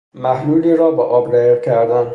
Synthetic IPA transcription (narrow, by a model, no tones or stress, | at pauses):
mæhluːliːɾɒːbeʔɒːbɾæjicʰæɾd̪æn